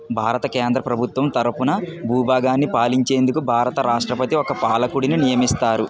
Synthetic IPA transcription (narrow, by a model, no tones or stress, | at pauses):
bʱaːɾɐt̪ɐkeːnd̪ɾɐpɾɐbʱut̪ʋɐmt̪ɐɾɐpunɐbʱuːbʱaːɡaːnːipaːliɲt͡ʃe̞ːnd̪ukubʱaːɾɐt̪ɐɾaːʂʈɾɐpɐt̪iɔkɐpaːlɐkuɽininijɐmist̪aːɾu